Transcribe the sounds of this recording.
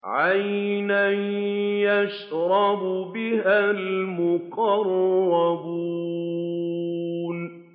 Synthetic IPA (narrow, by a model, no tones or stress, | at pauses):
ʕajna | jaʃ | ɾˤɑbbɪhalmʊqɑrˤːɑbuː | n